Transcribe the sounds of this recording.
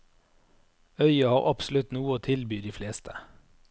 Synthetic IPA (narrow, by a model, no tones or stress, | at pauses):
œʏɑhɑːʁɑpslʉt̪nuːəoːt̪ʰɪlbyːd̪iːfleːst̪ʰə̥